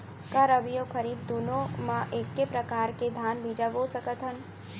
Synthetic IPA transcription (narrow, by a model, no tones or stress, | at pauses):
kaɾəʋijokʰəɾiːb̚d̪unõmãʔeːkːepɾəkaːɾked̪ʱaːnbid͡ʒəʋosəkət̪ɦən